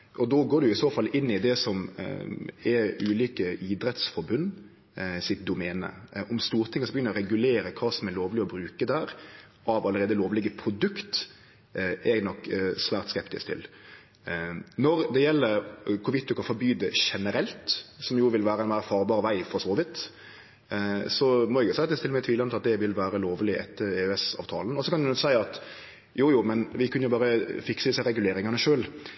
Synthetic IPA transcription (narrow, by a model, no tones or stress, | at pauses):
ʔɔd̪ɔɡoːɾɖʉɪsoːfɑlːɪnːɪd̪ɛsɔm | ɛʉːliːkəʔiːd̪ɾɛt̪sfɔɾbʉnː | sɪt̪̚d̪ʊmɛːnə̰ʔɔmst̪uːɾt̪ʰɪŋəsɔbjʏnəɾɔɾɛɡʉleːɾəkʰɑːsɔmɛloːʋlɪɔbɾʉːkəd̪æːɾ | ʔɑʋɑləɾeːd̪əloːʋlɪɡəpʰɾʊd̪ʉkt̪ | ɛɡnɔkːsʋæːɾt̪skɛpt̪ɪ̰skt̪ʰɪ̰l | nɔɾd̪ɛjɛlːəɾkʰʊʋɪt̪ːʊkɑfɔɾbyːd̪əʂɛnəɾɛlt̪sɔmjʊʋɪlʋæːɾəɛnmæɪɾæɾfɑːɾbɑːɾʋæɪfɔɾsoːʋɪt̪ː | sɔmɔɛɡjʊsæɪɑt̪d̪ɛst̪ɪlːmɛt̪ʰʋiːlɑnʰɪlɑt̪d̪ɛʋɪlʋæːɾəloːʋlɪʔɛ̰t̪ːəɾɛøɛsɑ̰ʋt̪ʰɑ̰ːlən̩ɔsɔkʰɑnɛnɔksæɪɑt̪ | juːjuːmɛnʋɪkʰʉnəjʊbɑːɾəfɪksəd̪ɪsæɪɾɛɡʉleːɾɪŋɑnəʂøːl